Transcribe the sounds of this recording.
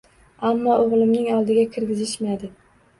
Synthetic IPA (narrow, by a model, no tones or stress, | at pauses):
amːɒoʁlˠɪmnɪŋɒlˠd̪ɪɡʲakʲʰɪɾɡʲɪzɪʃmad̪ɪ